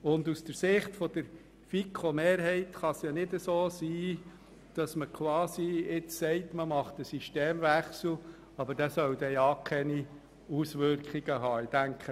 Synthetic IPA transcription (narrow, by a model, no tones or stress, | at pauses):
ʊndusd̥əɾsɪχtfɔd̥̪əɾ | fikʰomeːɾɦɛɪtχɑsjɑnɪdəsoːsiː | d̥ɑsməkʰwɑːsiɪt͡ssɛɪtməmɑχtəsiʃteːmʋæχsl̩ | ɑbəɾd̥æsœwd̥̪ɛjɑkʰɛni | usʋʏɾkχiɡəɦɑːɪd̥æŋkχə